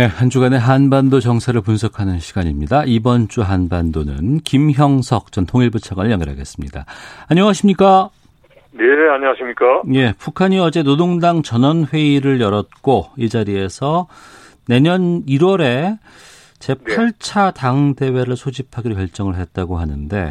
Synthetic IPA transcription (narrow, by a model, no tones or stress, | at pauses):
e̞hand͡ʑuɡane̞ɦanbandot͡ɕʌŋsʰaɾɯɭpunsʰʌkʰanɯnɕʰiɡaɲimɲidaibʌnt͡ɕ͈uɦanbandonɯ̰nkimçjʌŋsʰʌk̚t͡ɕʌntʰoŋiɭbut͡ɕʰaɡwanɯɭjʌŋjʌɾɦa̰ɡe̞̰s͈ɯmɲḭda̰aɲʌŋaɕʰimɲik͈a | neaɲʌŋaɕʰimɲik͈aje̞pukʰaɲiʌd͡ʑe̞nodoŋdaŋt͡ɕʌnʌnɸwe̞iɾɯɭjʌɾʌt̚k͈oid͡ʑaɾie̞sʰʌ | ne̞ɲʌniɾwʌɾe̞ | t͡ɕe̞aɭt͡ɕʰataŋde̞we̞ɾɯɭsʰod͡ʑipʰaɡeokjʌɭt͡ɕ͈ʌŋɯɭɦet̚t͈aɡoɦanɯnde̞